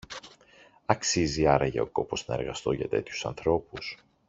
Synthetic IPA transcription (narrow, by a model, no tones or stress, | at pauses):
ɐksiziɐɾɐʝɐo̞ko̞po̞znɐe̞ɾɣɐst̪o̞ʝɐ̰t̪e̞t̪çu̥sɐnθɾo̞pus